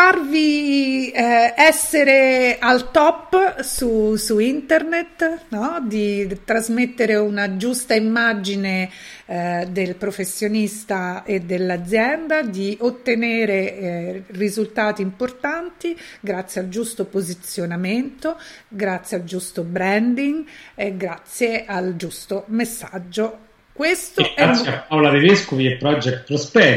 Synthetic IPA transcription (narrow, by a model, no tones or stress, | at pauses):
farvi | ɛsːeɾealt̪ɔpːsusuint̪ernet̪nɔd̪it̪ɾazmet̪ːeɾeunad͡ʒust̪aimːad͡ʒine | d̪elpɾofesːjonist̪aed̪elːad̪zːjɛnd̪ad̪iʔot̪ːeneːɾe | rizult̪aːt̪iːmport̪ant̪iɡɾat̪sːjeald͡ʒust̪opozit̪sjonament̪oɡɾat̪sjeald͡ʒust̪obɾɛnd̪iŋeɡɾat̪sːjeʔald͡ʒust̪omesːa̰d͡ʒːo | kwest̪oɛatsːapːawlaɾiveskoviepɾɔd͡ʒɛkt̪̚pɾospɛ